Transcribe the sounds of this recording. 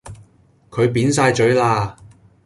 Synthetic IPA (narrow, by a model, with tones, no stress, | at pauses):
kʰɵ˨˧ɥpiː˨˥nsaː˧jt͡ʃɵ˨˥ɥlaː˧